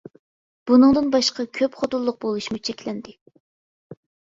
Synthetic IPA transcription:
b̥unɨŋd̪ɨnbɑʃqɑkʲʰøpχot̪ulˠːʊq̚bolˠuʃmut͡ʃʰɛkʲlɛnd̪ɪ

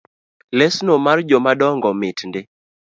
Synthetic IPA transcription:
lɛsnomard͡ʒomadɔŋɡɔmɪtndɪ

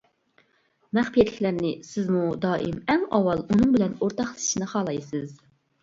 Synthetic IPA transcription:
mɛχpijɛt̪lɪkʲlæɾnɪsɪzmud̪ɑːʔimɛŋɑwɑlˠunɨŋbɪlɛnoɾt̪ɑχlˠɨ̥ʃinɨχɑːlˠɑjsɨz

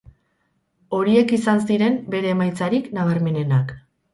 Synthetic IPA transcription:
o̞ɾie̞kisans̬iɾe̞mbe̞ɾe̞ːmajt͡saɾiknaβ̞aɾme̞ne̞nak

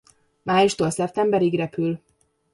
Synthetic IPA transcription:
maːjuʃt̪olsɛp̚t̪ɛmbɛɾiɡrɛpyl

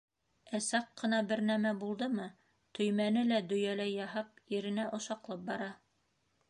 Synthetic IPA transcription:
æsɑqːɤ̆nɑbɘɾnæmæbulˠd̪ɤmɤ | t̪ʰɵ̆jmænɘlæd̪ɵ̆jælæjːɑɦɤp̚iɾɘ̆næʔŏʃɑqlˠɤp̚bɑɾɑ

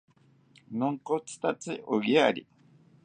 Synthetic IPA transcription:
nõŋkot͡sɨ̥t̪at͡sɨʔoɡiaɾʲḭ

